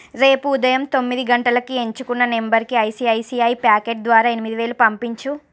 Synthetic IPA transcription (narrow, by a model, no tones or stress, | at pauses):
ɾe̞ːpuːd̪ɐjɐmt̪o̞mːid̪iɡɐɳʈɐlɐkie̞ɲt͡ʃukunːɐnembɐɾkiɐjsiːɐjsiːɐjpaːkeːʈ̚d̪ʋaːɾaːe̞nimid̪iʋe̞ːlupɐmpiɲt͡ʃu